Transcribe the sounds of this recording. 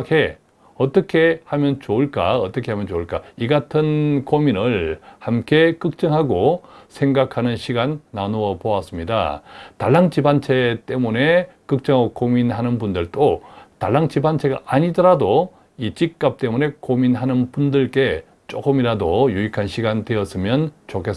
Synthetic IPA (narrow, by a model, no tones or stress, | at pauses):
kʰe̞ | ʌt͈ʌkʰe̞hamjʌnt͡ɕouɭk͈a̰ʌt͈ʌkʰe̞hamjʌnt͡ɕouɭk͈aiɡatʰɯnkominɯɭhamk͈e̞kɯk̚t͡ɕ͈ʌŋɦaɡosʰe̞ŋɡakʰanɯnɕʰiɡanːanoʌpoas͈ɯmɲida̰taɭːaŋt͡ɕibant͡ɕʰe̞t͈e̞mune̞ | kɯk̚t͡ɕ͈ʌŋaɡokominɦanɯnbundɯɭt͈otaɭːaŋt͡ɕibant͡ɕʰe̞ɡa̰ʔaɲidʌɾado | it͡ɕik̚k͈ap̚t͈e̞mune̞kominɦanɯnpundɯɭk͈e̞ | t͡ɕ͈ok͈ɯmiɾadojuikʰanɕʰiɡande̞ʌs͈ɯmjʌnt͡ɕokʰes